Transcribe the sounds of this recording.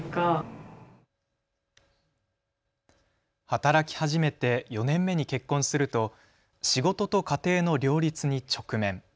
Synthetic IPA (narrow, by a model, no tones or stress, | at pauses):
ka | hat̪aɾakʲi̥haʑime̞t̪e̞jo̞nẽ̞mːe̞ɲ̟ike̞kːõ̞ɰ̃sɨɾɯ̟t̪o̞ | ɕiɡo̞t̪o̞t̪o̞kat̪e̞ːno̞ɾʲo̞ːɾʲit͡sɨɲ̟it͡ɕo̞kɯ̟mẽ̞ŋ